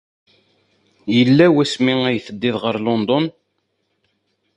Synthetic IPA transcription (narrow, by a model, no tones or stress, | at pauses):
jəlːæwæsmiæjθəd̪ːɪðʁəɾlɔnd̪ɔn